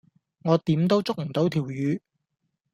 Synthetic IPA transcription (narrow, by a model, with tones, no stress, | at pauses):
ŋɔː˨˧t̪iː˨˥mt̪o˥wt͡sʊ˥k̚m̩˨˩t̪o˨˥wt̪ʰiː˨˩wjyː˨˧